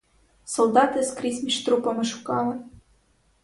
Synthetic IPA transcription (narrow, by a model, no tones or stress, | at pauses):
solˠd̪ɑt̪ɘ̆skrʲisʲmʲiʃt̪rupɤ̆mɤ̆ʃu̥kɑlˠɤ̆n